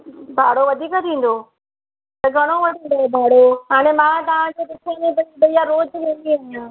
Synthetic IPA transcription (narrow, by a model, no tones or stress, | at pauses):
bʱaːɽoʋɐd̪ʱiːkt̪ʰĩːn̆d̪oː | t̪ɐɡʱɐɽ̃oʋɐʈʰĩːnd̪obʱaːɽoɦaːɽ̃ẽmãt̪ɐʋ̤ãd͡ʑeːpɪtʰenẽt̪ɐdɐijaɾoːd͡ʒʋẽːnd̪iaːɦijãː